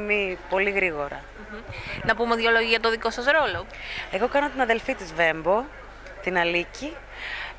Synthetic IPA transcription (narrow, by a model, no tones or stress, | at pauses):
mipo̞liɣɾiɣo̞ɾɐ̰ | nɐpumeðʝɐloʝiɐt̪oðiko̞sɐsɾo̞lo̞ | e̞ɣo̞kɐno̞t̪inɐðe̞lfit̪izve̞mbo̞ | t̪inɐlici